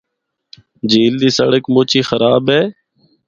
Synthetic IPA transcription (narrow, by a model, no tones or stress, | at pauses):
d͡ʒiːld̪iːsə̰ɽəkmoːt͡ʃiːxəɾaːbɦeː